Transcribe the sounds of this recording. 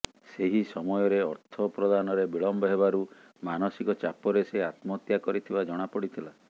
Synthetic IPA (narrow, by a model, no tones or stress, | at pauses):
seɦisɔmɔjɔɾeɔɾt̪ʰɔpɾɔd̪anɔɾebiɭɔmbɔɦeβaɾu | manɔsikɔt͡ʃapɔɾeseat̪mɔt̪jakɔɾit̪ʰibad͡ʒɔɽ̃apɔɽit̪ʰila